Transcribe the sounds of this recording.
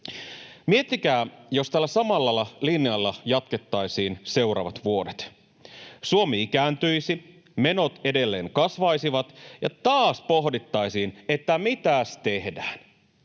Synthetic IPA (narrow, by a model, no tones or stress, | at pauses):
miet̪ːik̟æːjo̞st̪ælːæsɑmɑlːɑlːɑlinjɑlːɑjɑt̪ke̞t̪ːɑjsiːnse̞uɾɑ̰ːʋɑt̪ʋuo̞det̪ | suomiikæːnt̪yjsi | me̞no̞t̪ede̞lːe̞ːŋkɑsʋɑjsiʋɑt̪jɑt̪ɑːspoɦdit̪ːɑjsiːne̞t̪ːæmit̪æst̪e̞hdæːn